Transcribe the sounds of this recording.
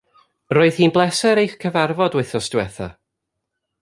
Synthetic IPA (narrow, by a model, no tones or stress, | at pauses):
ɾoːɨð̥hiːnblˠɛsɛɾejχkʰəvarvɔdwɛɨθɔstwɛθa̰